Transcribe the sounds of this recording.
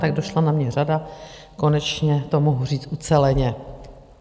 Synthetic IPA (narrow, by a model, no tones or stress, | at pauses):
t̪aɡ̚doʃlanamɲɛrada | ko̞nɛt͡ʃɲɛt̪o̞moɦur̝iːt͡st̪ʔut͡sɛlɛɲɛ